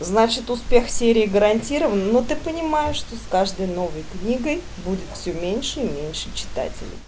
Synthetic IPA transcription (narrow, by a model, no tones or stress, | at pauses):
znat͡ɕɪt̪ʊspʲe̞xsʲeɾʲɪːɡəɾɐnʲtʲiɾəvənːot̪ɨpənʲɪmajɪʂt̪o̞skaʐd̪əjno̞vəjknʲiɡəj | budʲɪt̪fsʲɵmʲenʲʂəimʲenʲʂɨt͡ɕɪ̥t̪a̰tʲɪ̰lʲɪ̰j